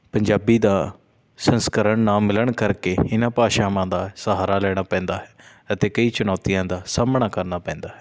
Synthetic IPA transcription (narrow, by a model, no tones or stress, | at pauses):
pəɲd͡ʒaːbiːd̪aː | sənskəɾəɳnãːmɪləɳkəɾkeːɪnãːpaːʃaːmãːd̪aːsəɦaːɾaːlɛːɽ̃aːpɛ̃ːnd̪aːɦɛː | ət̪eːkəiːt͡ʃʊnɔːt̪ijãːd̪aːsaːmɳaːkəɾnaːpɛ̃ːnd̪aːɦɛː